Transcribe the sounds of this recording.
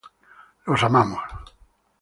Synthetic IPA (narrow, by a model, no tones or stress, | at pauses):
losamamos